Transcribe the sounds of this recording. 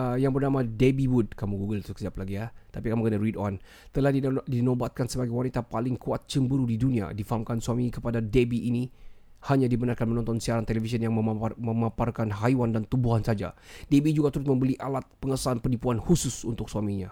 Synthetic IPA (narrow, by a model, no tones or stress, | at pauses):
əjaŋpərnamadebiwud̚kamuɡuɡəlt̪ukəsiaplaɡijat̪apikamukənaridɔn | t̪əlahdidinɔbat̪̚kansəbaɡajwanit̪apalɪŋkuat̪̚t͡ʃəmbəɾudidunia̰difaɦamkansuamikəpadadebiʔːnihaɲadibənarkanmənɔnt̪ɔnsiaɾant̪elefisənjaŋməməmaparkanɦaiwandant̪ubuɦansad͡ʒa̰debid͡ʒuɡat̪əɾʊs̬̚məmbəliʔalat̪̚pəŋəsanpənipuanhusʊsṵnt̪ʊk̚suamiɲa